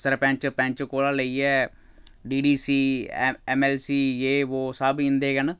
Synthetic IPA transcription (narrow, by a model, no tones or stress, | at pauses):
səɾpɛ̃ɲt͡ʃpɛ̃ɲt͡ʃkoːlãːləiːɛː | ɖiːɖiːsiːɛːmɛːlsiːeːʋoːsəbĩnd̪eːɡən